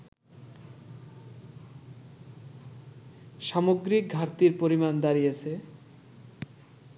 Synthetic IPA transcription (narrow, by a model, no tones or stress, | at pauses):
ʃamoɡɾik̚ɡʱaɾt̪iɾpoɾimand̪aɾijet͡ɕʰe